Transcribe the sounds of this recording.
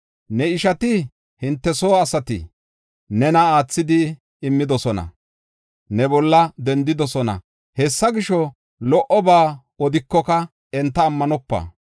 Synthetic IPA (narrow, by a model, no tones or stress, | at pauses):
nɛɪʃɐt̪ɪ | hɪnt̪ːɛsoːɐsɐt̪ɪ̰ | nɛnɐaːt͡sːɪd̪ɪː | mːɪd̪ɔsɔnɐ̰ | nɛbɔlːɐd̪ɛnd̪ɪd̪ɔsɔnɐ̰ | hɛsːɐɡɪʃɔ | lɔʔɔbaː | ɔd̪ɪkːɔkɐ | ɛnt̪ːɐːmːɐnɔpːɐ̰ː